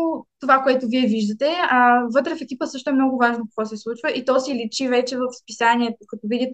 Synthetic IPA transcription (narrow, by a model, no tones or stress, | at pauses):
t̪ovakoɛt̪ʊviɛviʒd̪ət̪ɛvɤt̪ɾəfɛkipəsɤʃt̪oɛmnɔɡʊvaʒnokɐkvɔsɛslˠut͡ʃvəʔit̪ɔsilit͡ʃivɛt͡ʃɛvəfspisaniɛt̪okɐt̪ɔvid̪it̪